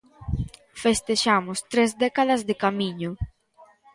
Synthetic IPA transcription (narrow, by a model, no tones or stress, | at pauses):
fest̪eʃamʊst̪ɾezd̪ɛkaðɐzðekamĩɲʊ